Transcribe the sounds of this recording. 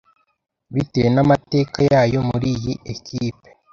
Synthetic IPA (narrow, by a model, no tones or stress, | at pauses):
βitejenamate̞ːkajaːjo̞muɾijiʔekiːpe